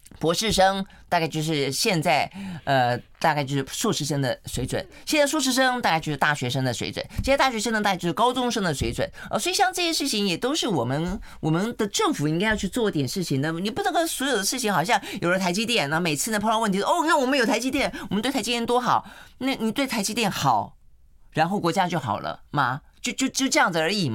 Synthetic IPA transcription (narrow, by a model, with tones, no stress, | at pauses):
pwɔ˧˥ʂɻ̩˥˩ʂɤ˥ŋt̪a˥˧kt͡ɕjo˥˧ʊʂɻ̩˥˧ɕjɛ˥˧nt͡sa˥˩ɪə˧t̪a˥˧kt͡ɕjo˥˧ʊʂ̩˥˩˥ʂu˥˧˩ʂɻ̩˥˧ʂɤ˥ŋd̪ə̰˨swe˧˥ɪt͡swə̰˨˩˦nɕjɛ˥˧nt͡sa˥˩ʂ̬u˥˧ʂɻ̩˥˩ʂ̬ɤ˥ŋt̪a˥˧ka˥˧t͡ɕo˥˧ʊʂɻ̩˧t̪a˥˩ɕɥɛ˧˥ʂɤ˥ŋd̪ə˨swḛ˧˥ɪt͡swə̰˨˩˦ɕjɛ˥˧nt͡st̪ɕɥɛ˧˥ʂə˥ŋt̪t̪a˥˧˥jo˥˧˩ʂ̩˥kɑ˥ʊt͡sʊ˥ŋʂɤ˥ŋd̪ə˨swe˧˥t͡swə̰˨˩˦nə̰˥˩swɔ˧˥i˨˩ɕjɑ˥˧ŋʈ͡ʂɤ˥˩ɕjɛ˥ʂɻ̩˥˩t͡ɕʰi˧˩ŋjɛ˨˩t̪o˥ʊʂɻ̩˥˩wɔ˨˩mə˦n | wɔ˨˩mə˧˦nd̪ə˨ʈ͡ʂɤ˥˩ŋfu˨˩˦i˥ŋka˥ɪjɑ˥˧t͡ɕʰy˥˧t͡swɔ˥˧i˥t̪jɛ˨˩nʂɻ̩˥˩t͡ɕʰi˨˩ŋd̪ə˩ni˨˩pu˥˩nɤ˧˥ŋkɔ˥swɔ˧˥jo˨˩ʊd̪ə˦ʂɻ̩˥˩t͡ɕʰi˧˥ŋxɑ˨˩ʊɕjɑ˥˩ŋjo˨˩ʊlə˧t̪ʰa˧˥ɪt͡ɕi˥t̪jɛ˥˩nna˧˩˧me˨˩ɪt͡sʰɹ̩˥˧ə˧˩pʰwə˥˩nʰi˧˥˧wɔ˨˩mə˦njo˨˩ʊt̪ʰa˧˥t͡ɕi˥t̪jɛ˥˩nwɔ˨mənt̪wʰa˧˥t͡ɕi˥tjɛ˥˩t̪wo˥xɑ˨˩ʊna˥˩ni˨˩t̪we˥˩ɪt̪ʰa˧˥ɪt͡ɕi˥t̪jɛ˥˩nxɑ˨˩˦ʊ | ɻa˧˥nxo˥˩ʊkwɔ˧˥t͡ɕja˥t͡ɕjo˥˩ʊxɑ̰˨˩ʊlʔə̰˦mɐ˧t͡ɕjo˥˧ʊt͡ɕjo˥˧ʊt͡ɕjo˥˧ʊʈ͡ʂɤ˥˧jɑ˥˩ŋd͡z̩˩ə˞˧˥i˨˩m